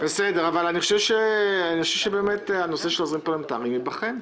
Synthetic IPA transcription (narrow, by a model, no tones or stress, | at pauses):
besedeʁavalaniχoʃevʃeaniχoʃevʃebe̞ːmetano̞seʃelozʁimpolemt̪a̰ːʁimibaχem